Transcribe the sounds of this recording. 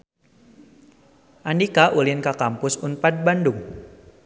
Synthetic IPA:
ʔandikaʔulɪnkakampʊsunpat̪̚bandʊŋ

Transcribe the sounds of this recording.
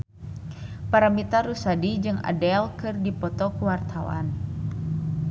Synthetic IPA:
paɾamit̪aɾusadid͡ʒɨŋa̰dɛlkɨrdipɔt̪ɔkuwart̪ʰawa̰n

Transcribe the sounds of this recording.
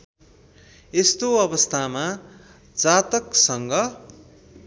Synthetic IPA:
est̪oʌbʌst̪ʰama | d͡zat̪ʌksʌŋɡʌ

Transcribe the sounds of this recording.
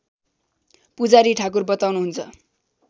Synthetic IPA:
pud͡zaɾiʈʰak̬urbʌt̪awnuɦunt͡sʰʌ̰

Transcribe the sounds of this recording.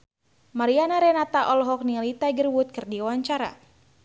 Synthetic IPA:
maɾianaɾɛnat̪aʔɔlɦɔk̚nialit̪aɡərwut̪̚kɨrdiwaɲt͡ʃaɾa̰

